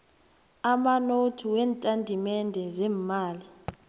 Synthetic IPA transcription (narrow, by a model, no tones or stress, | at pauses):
amanotʰuwɛːntʼandʱimɛndʱɛzɛːmːaːli